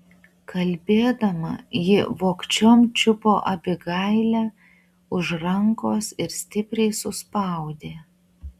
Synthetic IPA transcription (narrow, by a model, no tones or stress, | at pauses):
kɐlʲbʲeːd̪ɐmɐ̰jɪʋoːkt͡ʃʲomt͡ʃʲʊpoːʔɐbʲɪɡɐɪlʲæː | ʊʒɾɐŋkoːsɪɾsʲt̪ʲɪpʲɾʲɛɪsʊspɑˑʊd̪ʲeː